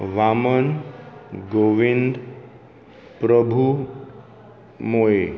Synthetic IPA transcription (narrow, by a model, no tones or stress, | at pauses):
ʋamən | ɡoʋind̪ | pɾəbʱu | moe